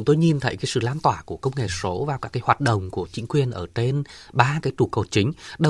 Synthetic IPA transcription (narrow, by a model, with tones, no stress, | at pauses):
ʊ˨˦ŋ͡mt̪o˧jɲi˨˩nt̪ʰə˨˦jkaː˨˦jsɨ̰˧˨laː˧nt̪waː˧˩ku˧˩əkə˧wŋ͡mŋḛ˧˩so˨˦vaː˨˩wkaː˦˥kːaː˨˦jhwaː˨˩t̚ɗə̰˧˨wŋ͡mku˧˩ət͡ɕï˧˦ŋ̟kwi˨˩ənʔəː˧˩t͡ɕe˧nɓaː˧kaː˨˦jt̪u˨˩ko˨˩t͡ɕï˨˦ŋ̟ɗə˧˩